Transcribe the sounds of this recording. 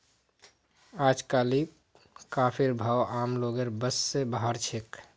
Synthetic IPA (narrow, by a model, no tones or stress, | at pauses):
aːd͡ʒkaːli | kaːpʰiɾbʱaːamloɡeɾbəsːebaɦəɾt͡ʃʰek